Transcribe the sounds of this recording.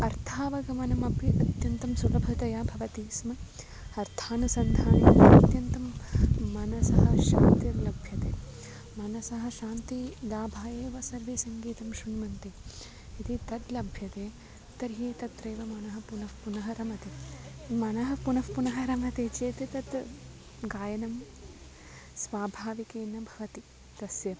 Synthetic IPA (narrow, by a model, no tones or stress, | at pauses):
ɐɾt̪ʰaːʋɐɡɐmɐnɐmɐpjɐt̪ɐt̪jɐnt̪ɐmsulɐbʱɐt̪ɐjaːbʱɐʋɐt̪iːsmɐ | ɐɾt̪ʰaːnusɐnd̪ʱaːnɐɐɐt̪jɐnt̪ɐmːɐnɐsɐɦɐʃa̰ːnt̪jɐɾlɐbʱjɐt̪eː | mɐnɐsɐɦɐ̆ʃaːnt̪iɡ̪aːbʱaːjeːʋɐsɐɾʋesɐŋɡiːt̪ɐmʃuɳmɐnt̪i | it̪it̪ɐt̪lɐbʱjɐt̪eː | t̪ɐɾɦiːt̪ɐt̪ɾɐːʋɐmɐnɐɦɐ̆punɐfpunɐɦɐɾɐmɐt̪imɐnɐɦɐpunɐfpunɐɦɐɾɐmɐt̪eːt͡ʃeːt̪et̪ɐt̪ | ɡaːjɐnɐm | sʋaːbʱaːʋikeːnɐbʱɐʋɐt̪i | t̪ɐsjɐ